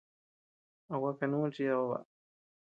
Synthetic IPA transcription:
a˨wa˦ka˧nũː˦t͡ʃi˦a˧βa˧βa̰˨ʔ

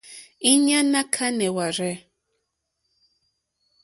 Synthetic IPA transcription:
i˦ɲã˦nã˦kʰa˦nɛ˨wa˨ɾɛ˦

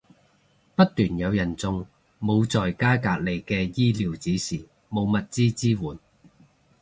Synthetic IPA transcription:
pɐ˥t̚t̪ːyː˨˩njɐ˨˧wjɐ˨˩nt͡sʊ˧ŋ | mo˨˧wt͡sɔː˨jkaː˥kaː˧k̚le˨˩jkɛː˧jiː˥liː˨˧wt͡siː˨˥siː˨˩ | mo˨˧wmɐ˨t̚t͡siː˥t͡siː˥wuː˨˩n

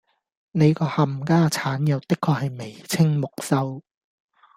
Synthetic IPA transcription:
ne˨˧jkɔː˧hɐ˨m̩kaː˥t͡sʰaː˨˥njɐ˨˧wt̪ɪ˥kʰːɔː˧hɐ˨jme˨˩jt͡sʰɪ˥ŋmʊ˨k̚sɐ˥w

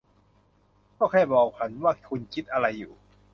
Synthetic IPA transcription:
kɔː˥˩kʰaː˧˥˩jbɔː˨˩k̚t͡ɕʰa˦˥nwaː˥˩kʰu˧nkʰi˦˥t̪̚ʔa˧ɾa˧jːuː˨˩

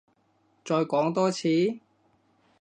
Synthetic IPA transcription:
t͡sɔː˧jkɔː˨˥ŋt̪ɔː˥t͡sʰiː˨˥

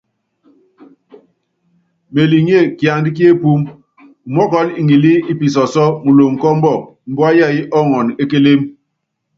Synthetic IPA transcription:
me˨li˨ŋ˦e˦˨kja˨ŋ˦di˦k̬i˦e˦pu˦m | u˨mɔ˦kɔ˨˦li˨ŋi˨li˦i˦pi˨s̬ɔ˨sɔ˦mu˨lo˨ŋ̩˨kɔ˦m̩˦bɔ˦˨ | m̩˨˦bɔ˦a˦ja˦˨i˦ʔɔ˦˨ŋɔ˨ne˦ke˦le˦m

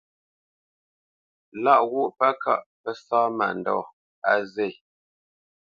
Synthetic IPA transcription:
la˦˨ʔwu˦˨ʔpa˦kʰa̰˦˨ʔpə˦saː˦ma̰˨n̩dɔ̰˦˨ | a˦ze˦˨

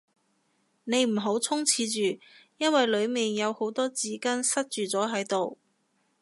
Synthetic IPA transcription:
ne˨˧jm̩˨˩ɦo˨˥wt͡sʰʊ˥ŋt͡sʰiː˨˧t͡ʃyː˨jɐ˥nwɐ˨jlɵ˨˧ɥmiː˨njɐ˨˧who˨˧˥wt̪ɔː˥t͡siː˨˥kɐ˥nsɐ˥t̚t͡ʃyː˨˩t͡sɔː˨˥ɦɐ˨˥jt̪o˨w

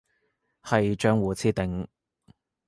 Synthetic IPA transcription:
hɐ˨jt͡ʃœː˥ŋwuː˨t͡sʰiː˥t̪ɪ˨ŋ

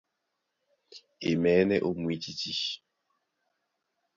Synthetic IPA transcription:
e˨mɛː˨˦nɛ˦ʔo˦˨mwi˦t͡ʃi˦t͡ʃi˦

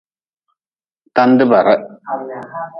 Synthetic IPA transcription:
ta˦ndɨ˦ba˨ɾa˦

